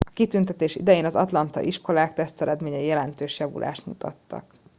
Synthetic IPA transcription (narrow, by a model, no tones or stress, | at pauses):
ɒkit̪ynt̪ɛt̪eːʃḭd̪ɛjeːnɒzɒt̪lɒnt̪ɒ̰ʔiʃko̞laːkt̪ɛst̪ɛɾɛd̪meːɲɛijɛlɛnt̪øːʃjɒvṵlʔa̰ːʃt̪mut̪ɒ̰t̪ːɒ̰k